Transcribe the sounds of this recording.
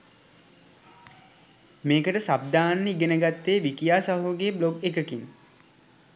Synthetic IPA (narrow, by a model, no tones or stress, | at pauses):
meːkəʈəsab̚d̪aːnːəiɡenəɡat̪ːeːʋikijaːsaɦuɡeːbloɡekəkin